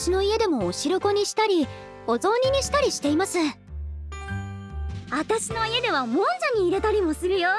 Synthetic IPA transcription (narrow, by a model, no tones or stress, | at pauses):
ɕino̞ie̞d̪e̞mo̞ːɕiɾoko̞ɲ̟iɕi̥t̪aɾʲi | o̞zõ̞ːɲ̟iɲ̟iɕi̥t̪aɾʲiɕi̥t̪e̞imasẽɴ | at̪aɕino̞ie̞d̪e̞βamõ̞nd͡ʑaɲ̟iːɾe̞t̪aɾʲimo̞sɨɾɯ̟jo